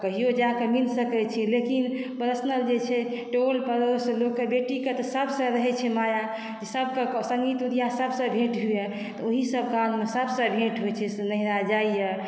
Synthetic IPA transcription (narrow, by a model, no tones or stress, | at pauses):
kəɦijod͡ʒãkemilsəkɛt͡ʃʰilekinpəɾəsnəld͡ʒet͡ʃʰɛʈolpəɾoslokːebeʈiket̪ɔsəbsə̃ɾəɦɛt͡ʃʰɛmaja | d͡ʒesəbkesə̃ŋɡit̪ud̪ijãsəbsə̃bʱeʈɦue | t̪ɔoɦisəb̚kammesəbsə̃bʱeʈɦojt͡ʃʰɛsnəɦiɾad͡ʒaijə